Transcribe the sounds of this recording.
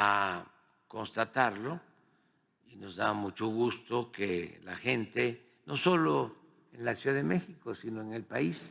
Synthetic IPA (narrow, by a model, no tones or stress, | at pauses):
a | ko̞nst̪at̪aɾlo̞ | ino̞zðamut͡ʃo̞ɣust̪o̞kelaxe̞nt̪e | no̞so̞lo | enlasjuðaðemexiko̞sinoeŋe̞lpais